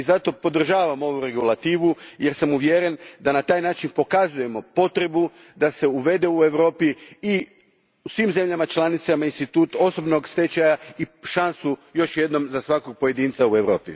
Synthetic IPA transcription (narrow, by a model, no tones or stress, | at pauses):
izat̪o̞po̞d̪r̩ʒaːʋamo̞ʋuɾe̞ɡulˠat̪iːʋuje̞ɾsamuʋjeɾend̪anat̪aːjnaːt͡ʃinpo̞kazuje̞mo̞po̞t̪ɾe̞bu | d̪ase̞uʋe̞d̪e̞ue̞ʋɾo̞ːpii | usʋiːmze̞mʎamat͡ʃlˠanit̪samainst̪it̪uːt̪o̞so̞bno̞ɡst̪et͡ɕajaiʃansujo̞ʃje̞d̪no̞mzasʋako̞ɡ̚po̞je̞d̪iːnt̪saue̞ʋɾo̞ːpḭ